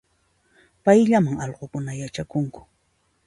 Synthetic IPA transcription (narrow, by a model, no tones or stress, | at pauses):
pajʎamaŋɑʎɢokʊnajat͡ʃakʊŋkʊ̥